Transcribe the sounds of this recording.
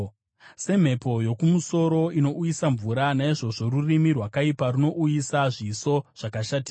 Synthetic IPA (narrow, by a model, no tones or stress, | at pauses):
se̞m̤e̞po̞jo̞kumuso̞ɾo̞ino̞ujisaɱvuɾanaiʐo̞ʐo̞rurimirwakaiparuno̞ʔujisaʐiso̞ʐ̥akaʃatika